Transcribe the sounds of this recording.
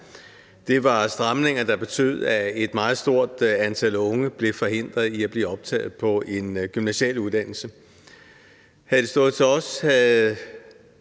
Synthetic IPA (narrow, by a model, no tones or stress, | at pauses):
d̥e̝ʋɑ̈sd̥ʁɑ̈mne̝ŋɐd̥ɑ̈b̥e̝t͡sʰø̰ð̩̰ˠæe̝d̥mɑ̈ːð̞̩ˠsd̥o̝ɐ̰d̥ænt͡sʰælɔ̽ŋəb̥le̝fɒ̽he̝n̰d̥ʁɐðˠiæb̥le̝ːɒ̽b̥̚t͡sʰɛ̰ːð̩ˠpʰɒ̽ʔe̝nɡ̥ymnæɕɛ̰luðˠd̥æn̰l̩sə | hæðˠd̥e̝sd̥ɔ̽ːð̩ˠt͡sʰe̝ɒ̽sæ